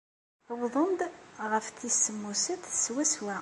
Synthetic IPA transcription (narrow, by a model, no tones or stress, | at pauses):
wðˤənd̪ʁəfθisːəmːusət̪swæswæ